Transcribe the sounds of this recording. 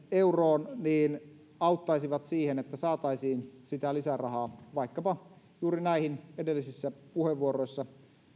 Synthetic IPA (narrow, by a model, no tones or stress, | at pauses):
euroːnniːn | ɑut̪ːɑisiʋɑt̪siːhenet̪ːæsɑːt̪ɑisiːnsit̪ælisærɑhɑːʋɑikːɑpɑ | juːɾinæihinedelːisisːæpuheʋʋuoroisːɑ